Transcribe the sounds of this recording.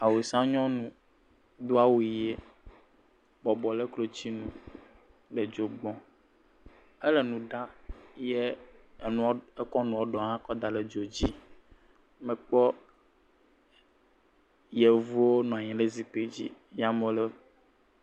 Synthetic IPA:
a˨we˨sã˦ɲɔ̃˦nũ˨ | d̪o˦a˦wu˨i˨jɛ˦ | bɔ˨bɔ˨le˦klo˨t͡ɕi˦nũ˨ | ɖɛ˨d͡ʒo˨ɡ͡bɔ̃˨ | e˦le˨nũ˨ɖa˦jɛ˦˨nũ˨˦e˦kɔ˦nũ˨wo˦ɖɔ˨ɦã˦kɔ˦d̪a˨lɛ˨d͡ʒo˨d͡ʑi˦ | mɛ̃˨k͡pɔ˦ | je˨vu˦wo˦nɔ̃˨a˨ɲɛ̃˨le˦zi˨k͡pe˦d͡ʑḭ˦ | ja˦mõ˨lɛ˦

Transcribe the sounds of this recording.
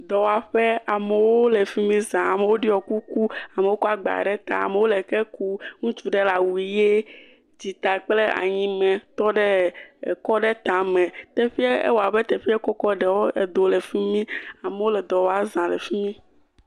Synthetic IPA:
d̪ɔ˨wa˨ɸe˦a˨me˨wo˦le˨fi˦mĩ˦zã˨a˨me˨wo˦ɖi˦ɔ˨ku˦ku˦a˨me˨wo˦ku˦a˨ɡ͡ba̰˨ɖɛ˦t̪a̰˨a̰˨me˨wo˦le˨ke˦ku˦ŋũ˦t͡ʃu˦ɖe˦la˨wu˨i˨je˦ | d͡ʑi˨t̪a˨k͡ple˦a̰˨ɲĩ˦mɛ̃˨t̪ɔ˦ɖɛ˦˨kɔ˦ɖɛ˦t̪ã˨mɛ̃˨t̪e˦ɸi˦e˦ḛ˦wo˨a˨bɛ˦t̪ɛ˨ɸi˦e˦kɔ˦kɔ˦ɖɛ˨wo˦e˨d̪o˨le˨fi˦mĩ˦a˨me˨wo˦lɛ˨d̪ɔ˨wa˨zã˨le˨fi˦mĩ˦

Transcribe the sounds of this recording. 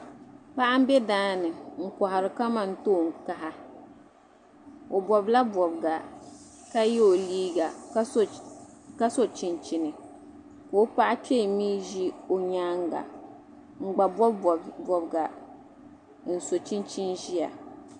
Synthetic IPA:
pa˦ʔa˦m̩˦be˦daː˦nɨ˨ŋ̩˨kɔ˨ɦa˨ɾɨ˨ka˦ma˨n̩˦˨toː˦˨ŋ˨ka˦ɦa˦ | o˨bɔ˨bla˦bɔ˨bɡa˨ | ka˦jɛ˦o˨liː˦ɡa˨˦ | ka˦so˦t͡ʃi˦nt͡ʃi˦nɨ˨ | ko˨˦pa˦ʔa˦pʰe˦˨miː˦ʒi˦o˨ɲaː˦ŋɡa̰˨ | ŋ͡m̩˨ɡ͡ba˨bɔ˦bbbɔ˨bɡa˨ | n̩˨so˨t͡ʃi˦nt͡ʃi˦nʒi˦ja̰˨

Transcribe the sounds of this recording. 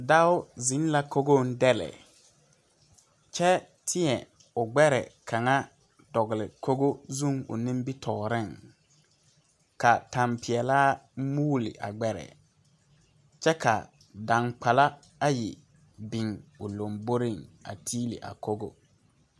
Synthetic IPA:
da˦ʊ˦zɪ̃˨˦n˦la˦ko˦ɡo˦n̩˦dɛ˦lɛ̰˨ | t͡ʃɛ˦ | tʰɪ˦ɛ˨ | ʊ˨ɡ͡bɛ˦ɾɛ̰˨kʰa˨ŋa˦ | dɔ˨ɣɪ˨lɪ˨kʰo˦ɡo˦zũ˦˨ŋʊ̰˨nɪ̃˦m˦bi˦tʰɔː˨ɾɪ˦˨ŋ | ka˨ta˨mpɪ˨ɛ˨laː˦muː˦lɪ̰˨ʔa̰˨ɡ͡bɛ˦ɾɛ̰˨ | t͡ʃɛ˦kʰa̰˨ | da˨ŋk͡pa˨la˦ | a˦jɪ˨ | bɪ˨ŋʊ˨lo˨mbo˦ɾɪ˦˨ŋa̰˨tʰiː˦lɪ̰˨ʔa̰˨ko˦ɡo̰˦

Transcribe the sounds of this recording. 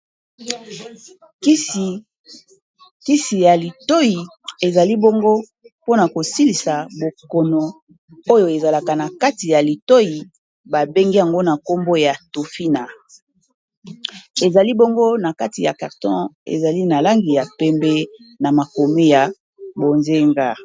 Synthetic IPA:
ki˦si˨ja˨li˨to˦ji˨ | e˨za˨li˦bo˦ŋɡo˦ | po˦na˨ko˨si˦li˨sa˨bo˨ko˨no˨ | o˦jo˨e˨za˨la˨ka˨na˨ka˦ti˨ja˨li˨to˦ji˨ | ba˨be˦ŋɡi˦ja˨ŋɡo˦na˨ko˦mbo˦ja˨to˨fi˦na˨ | e˨za˨li˦bo˦ŋɡo˦na˨ka˦ti˨ja̰˨ka˨ʁtɔ̃˦ḛ˨za˨li˦na˨la˦ŋɡi˨ja˨pɛ˦mbɛ˦ | na˨ma˨ko˨mi˦ja˨ | bo˨nze˦ŋɡa˦

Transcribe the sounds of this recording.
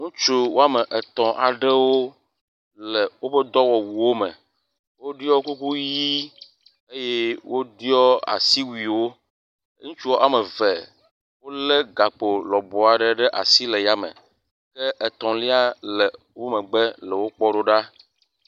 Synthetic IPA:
ŋũ˦t͡ʃu˦wo˦a˦mə̃˨ʔɛ˨t̪ɔ̃˨ʔa˨ɖɛ˦wo˦ | lɛ˨wo˦ɸə˦d̪ɔ˦wɔ˨wu˨wo˦mə̰̃˨ | wo˦ɖi˦ɔ˦wo˦ku˦ku˦ji˦ | e˦je˦wo˦di˦ɔ˦a̰˨si˦wi˨wo˦ | ŋũ˦t͡ʃu˦wo˦ʔa˨mə˨vɛ˨ | wo˦lɛ˦ɡa˨k͡po˨lɔ˨bɔ˨a˨ɖə˨ɖɛ˦ʔa̰˨si˦lɛ˨ja˦mə̰̃˨ | kɛ˦ʔɛ˨t̪ɔ̃˨li˦a˦lɛ˨ | wo˦mə̃˨ɡ͡bɛ˦lɛ˨wo˦k͡pɔ˦ɖo˦ɖa˦

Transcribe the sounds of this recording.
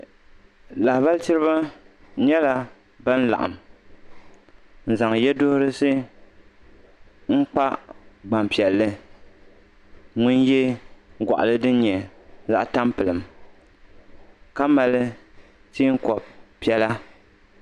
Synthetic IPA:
la˨hba˦ltɨ˦ɾɨ˦ba˦ | ɲɛ˦la˨ | ba˦n̩˦la̰˨ʔa̰˨m | n̩˨za˨ŋ˨jɛ˦dʊ˦hʊ˦ɾɨ˦sɨ˦ | ŋ̩˦k͡pa˦ɡ͡ba˨mpi˨ɛ˨lːɨ˦ | ŋʊ˦n˦jɛ˦ɡʷa̰˨ʔa̰˨lɨ˦dɨ˦n˦ɲɛ˨za˦ʔta˦mpɨ˨lɨ˨m | ka˦ma˨lɨ˦ | tiː˦ŋ̩˦kɔ˨b̚pi˨˦ɛ˦la˦

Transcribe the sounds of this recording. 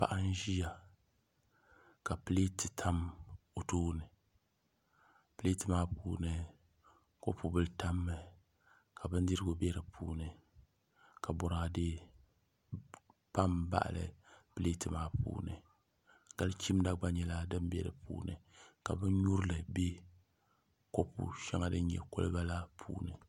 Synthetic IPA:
pa̰˦ʔa˦n˦ʒi˦ja˨ | ka˨pɨ˦le˦tɨ˨tʰa˦m | o˨toː˦nɨ˨ | pɨ˦le˦tɨ˨maː˦pṵː˦nɨ˨ | ko˦pu˨bɨ˦lta˦mːɨ˦ | ka˨bɨ˦n˦dɨ˦ɾɨ˦ɡʊ˦bɛ˦ɾɨ˨pʰṵː˦nɨ˨ | ka˨bɔ˨ɾa˨a˨de˦ | pa˦mba̰˦ʔlɨ̰˦ple˦tɨ˨maː˦pṵː˦nɨ˨ | ɡ̥a˦lt͡ʃi˦m˦da˦ɡ͡ba˦ɲɛ˨la˦dɨ˦m˦bɛ˦˨ɾɨ̰˨pṵː˦nɨ̰˨ka˨bɨ˦n˦ɲu˦ɾɨ˦lɨ˨be˦ | ko˦pṵ˨ʃɛ˦ŋa˦dɨ˦ɲ˦ɲɛ̰˨ko̰˦lɨ˦ba˦la˦pʰṵː˦nɨ˨

